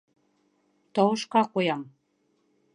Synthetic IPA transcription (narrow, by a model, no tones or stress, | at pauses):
t̪ɤwɤ̆ʃkɑkojɑm